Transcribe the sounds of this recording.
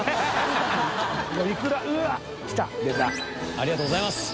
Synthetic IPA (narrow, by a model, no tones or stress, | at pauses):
ɡoikɯɾaɯa | ki̥t̪a̰d̪ezaaɾiɣat̪oːɣozaimas